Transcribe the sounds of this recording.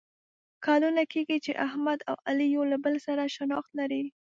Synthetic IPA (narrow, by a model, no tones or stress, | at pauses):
kʰɑlunakeɡit͡ʃeʔahmad̪a̰walijolabəlsaɾaʃanɑxt̪laɾi